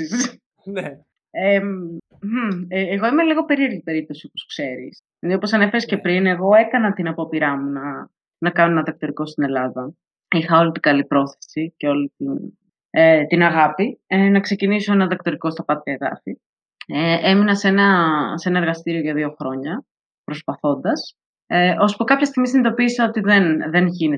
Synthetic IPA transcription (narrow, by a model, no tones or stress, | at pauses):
is | n | e | m̩ːɣo̞imeliɣo̞pe̞ɾie̞ɾʝipe̞ɾip̚t̪o̞sioposu̥kse̞ɾḭssinðio̞po̞sɐne̞feɾesce̞pɾine̞ɣo̞e̞kɐnɐt̪inɐpopiɾɐmunɐ | nɐkɐnoenɐðɐk̚t̪o̞ɾiko̞st̪ine̞lɐðɐ | ixɐo̞lit̪iɡɐlipɾo̞θe̥siceolit̪in | et̪inɐɣɐpienɐkse̞ciniso̞e̞nɐðɐk̚t̪o̞ɾiko̞st̪ɐpɐt̪ɐeɣɐ̰fi | eʔeminɐse̞nɐse̞nɐeɾɣɐst̪iɾio̞ʝɐðio̞xɾo̞ɲɐ | pɾospɐθo̞nd̪ɐs | eʔo̞spukɐpçɐst̪iɣmisinid̪o̞piːsɐo̞t̪iðenðe̞nʝini